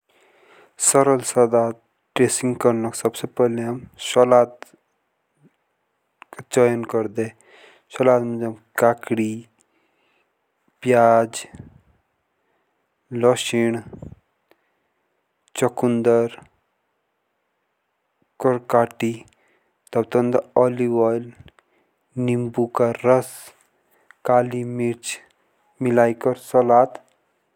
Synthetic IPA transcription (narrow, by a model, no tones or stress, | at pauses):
səɾəlsəd̪a | ʈɾesĩŋɡkəɾnɔksəbsepəɦleɦəmsɔlat̪ | kat͡ʃəjənkəɾd̪e | sɔlat̪məd͡ʒəmkakɽi | pjad͡ʒ | lɔʃiɳ̃ | t͡ʃɔkund̪əɾ | kɔɾkaːʈi | t̪ɐbt̪ɔnd̪ɔliwɔjl | nimbukaɾəs | kaːlimiɾt͡ʃ | milaːjkɔɾsɔlaːt̪